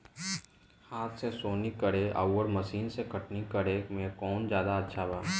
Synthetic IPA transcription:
haːt̪ʰsesoːnikəɾeʔə̰wwəɾməsiːnsekʰəʈnikəɾemẽkɔːnd͡ʒjaːd̪aətːʃʰabaː

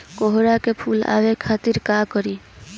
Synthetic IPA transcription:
koɦɾakepʰula̰ʋekʰat̪iɾkakəɾi

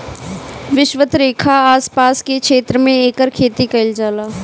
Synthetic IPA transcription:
ʋɪʃʋət̪ɾeːkʰaaːspaːskekʃeːt̪ɾəmẽeːkəɾkʰeːt̪ikɐɪld͡ʒaːlaː

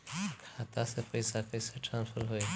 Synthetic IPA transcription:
kʰat̪asepəjsapəjsaʈɾãːnsfʰəɾɦoːe

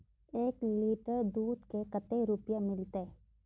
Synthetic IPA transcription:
eːkliːʈəɾd̪uːd̪kekɐt̪eɾʊpjamɪlt̪e

